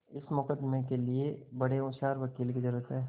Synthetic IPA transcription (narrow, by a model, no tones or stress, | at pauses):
ɪsmʊkəd̪ːmekeliebɐɽeʊʃaːɾʋɐkiːlkizɐɾuːɾət̪ɦɛː